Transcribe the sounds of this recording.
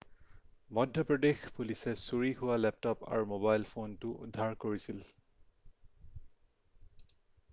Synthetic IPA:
mɔdʱjɔpɹɔdexpulisɛsuɹiɦʊwalɛp̚tɔpa̰ɹmobajlpʰontʊṵdʱːaɹkoɹisil

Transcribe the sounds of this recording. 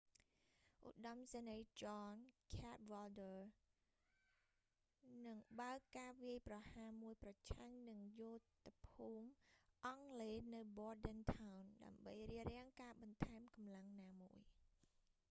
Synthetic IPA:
ʔuɗɑmsenejt͡ɕɑːnkʰat̪̚ʋɔldə | nɨŋɓaəkːaːʋiəjprɑhaːmuəjprɑt͡ɕʰaŋnɨŋjʊt̪apʰuːmʔɑŋleːnɨwɓɔəɗɛnt̪ʰawnɗa̰əmɓə̰jriərɛ̆əŋkaːɓɑnt̪ʰaɛmkɑmlaŋnaːmuəj

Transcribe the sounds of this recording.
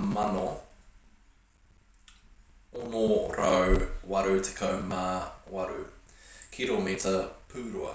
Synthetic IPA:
mɐno | onoɾowwɐɾʉtʰə̥kʰɐwmaːwɐɾʉkʰilomitʰəpʰʉːɾuɐ̰

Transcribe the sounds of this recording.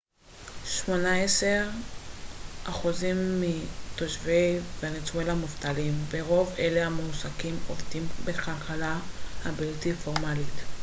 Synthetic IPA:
ʃmo̞naeseʁ | aχuzimːitoʃvejveanet͡swelamuftalimbeʁo̞veleamusakimovtimbekalkalahabiltifoʁmalit

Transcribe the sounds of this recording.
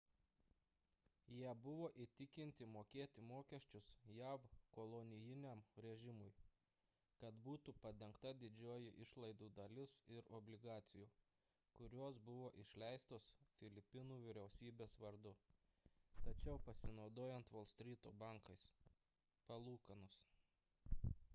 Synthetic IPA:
jiɛbʊʋoːʔit̪ʲɪkʲɪnʲt̪ʲɪmoːkʲeːt̪ʲɪmoːkʲɛʃʲt͡ʃʲʊsjæːʋkolˠonʲɪjɪnʲɛmɾʲɛʒʲɪmʊj | kɐt̪buːt̪upɐd̪ʲɛŋkt̪ɐd̪ʲɪd͡ʒʲoːjɪʔɪʃlˠɐɪd̪uːd̪ɐlʲɪsɪɾɔbʲlʲɪɡɑːt̪sʲɪjuː | kʊɾʲoːs̬bʊʋoːʔɪʃʲlʲɛɪst̪oːsfʲɪlʲɪpʲɪnuːʋʲɪɾʲɛʊsʲiːbʲeːsʋɐɾd̪ʊ | t̪ɐt͡ʃʲɛʊpɐsʲɪnɒʊd̪oːjɛnt̪ʋoːlˠsʲt̪ʲɾʲiːt̪oːbɑˑŋkɐɪs | pɐlˠuːkɐnʊs

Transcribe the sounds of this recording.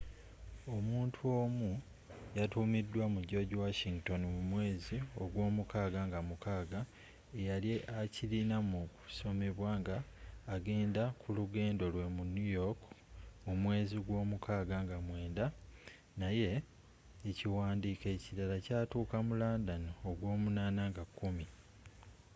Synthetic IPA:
o̞muːntʰuo̞ːmu | jatuːmidːwamuɟo̞ɟuwaʃiŋɡto̞nimumwe̞ːzio̞ɡwo̞ːmukaːɡaŋɡamukaːɡa | ejaliʔacilinamuku̥so̞me̞βwaːŋɡaːɡe̞ːndakʰuluɡe̞ːndo̞lwe̞munjujo̞kmumwe̞ːziɡwo̞ːmukʰaːɡaŋɡamwe̞ːnda | naje̞ː | ciwaːndiːke̞ːciɾalacaːtuːkamulaːndanoːɡwo̞ːmunaːnaŋɡakːumi

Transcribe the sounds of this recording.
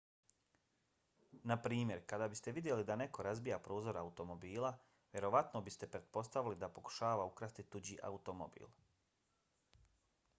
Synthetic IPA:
napɾiːmje̞ɾkad̪abist̪e̞ʋid̪je̞lid̪ane̞ko̞ɾazbijapɾoːzo̞ɾaut̪o̞mo̞biːlˠa | ʋje̞ɾo̞ʋat̪nobist̪e̞pɾe̞t̪̚po̞st̪aʋilid̪apo̞ku̥ʃaːʋaukɾaːst̪it̪ːud͡ʑiʔa̰ut̪o̞mo̰bḭːlˠ

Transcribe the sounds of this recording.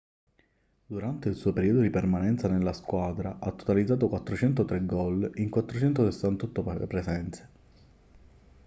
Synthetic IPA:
d̪uɾant̪eilsuːopeɾiːod̪od̪ipermanɛnt̪sanelːaskwaːd̪ɾaʔat̪ːo̥t̪alid̪zaːt̪̬okwat̪ːɾot͡ʃɛnt̪ot̪ɾeɡɔliŋkwat̪ːɾot͡ʃɛnt̪osesːant̪ɔt̪ːopɾesɛnt̪se̥

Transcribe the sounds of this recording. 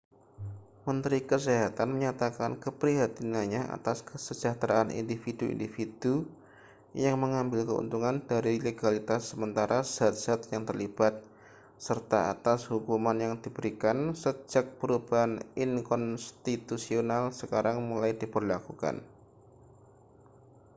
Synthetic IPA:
mənt̪ɾikəs̬eɦat̪anməɲat̪akankəpɾiɦat̪inanɲaʔa̰t̪askəsəd͡ʒat̪ɾaʔːnʔḭndifiduḭndifid̥u | jaŋməŋambɪlkəṵnt̪uŋandaɾileɡalit̪asːəmənt̪aɾʔaz̥at̪̚z̥at̪̚jaŋt̪ərlib̥at̪̚ | sərt̪aa̰t̪ashukumanjaŋdibəɾikansəd͡ʒak̚pəɾubaɦanɪnkɔnst̪it̪usionalsəkaɾaŋmulajdibərlakuka̰n

